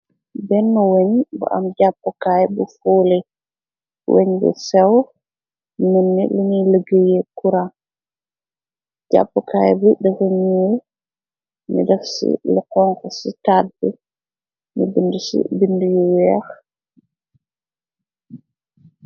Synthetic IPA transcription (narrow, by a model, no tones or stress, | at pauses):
bɛnːɔweɲbɔ̰ʔa̰mɟapːɔkajbufoːle | wʔḛɲbɛ̰sɛw | nənːiluniləɡəjɛkuɾa | ɟa̰pːɔkaːjbuɗɛheɲjɛ | mḭdɛfsḭlɛqɔŋkɔsitaːt̚bɛ | mibindusḭbindujuwɛx